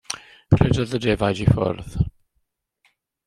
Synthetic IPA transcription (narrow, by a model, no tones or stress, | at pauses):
kʰrɛdɔðədɛːvajdifɔ̰rð